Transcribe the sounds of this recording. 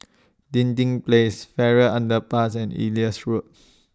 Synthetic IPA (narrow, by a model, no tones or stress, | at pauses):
dĩntĩŋplesfɛɹəʔãndəpasɛ̃nḭliəsɹut̚